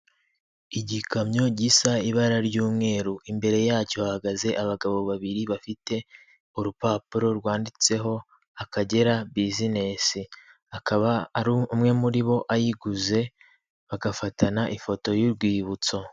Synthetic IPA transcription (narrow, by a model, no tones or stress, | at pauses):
iɟikamɲo̞ɟiːsaiβaɾaɾɟuːmŋe̞ːɾuʔimbe̞ɾe̞jaːcoβahaɡaze̞ʔaβaɡaβo̞βaβiɾiβafite̞ | uɾupaːpuɾo̞ɾɡwaːndit͡se̞ɦo̞ | akaɟe̞ɾabizine̞si | akaβaɾuumŋe̞muɾiβo̞ʔajiɡuze̞ | βaɡafatanaʔifo̞to̞juɾɡwiːβut͡so̞